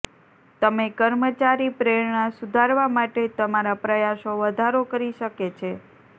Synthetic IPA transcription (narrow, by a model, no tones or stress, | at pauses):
t̪əmekəɾmət͡ʃaɾipɾeɾɳasud̪ʱaɾʋamaʈet̪əmaɾapɾəjaʃoʋəd̪ʱaɾokəɾiʃəket͡ʃʰe